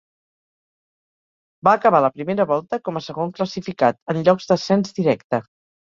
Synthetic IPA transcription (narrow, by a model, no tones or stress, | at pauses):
baːkəβ̞aləpɾimeɾəβɔlˠt̪əkɔməsəɣoŋkləsifikat̪ənʎɔɡzd̪əsɛnzd̪iɾɛkt̪ə